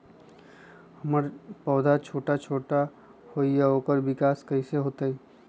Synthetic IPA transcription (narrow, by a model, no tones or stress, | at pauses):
hɐməɾpɔːd̪ʱat͡ʃʰoːʈat͡ʃʰoːʈa | hoːijaoːkəɾʋɪkaːskɐiseɦoːt̪ai